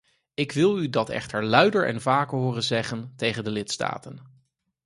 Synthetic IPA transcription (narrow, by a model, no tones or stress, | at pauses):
ɪkʋɪlˠydɑtɛ̰χtəɹlœɥdəɹʔɛ̰nvaːkəɹɦʊːrənzɛχəntejχəndəlɪtsta̰ːtən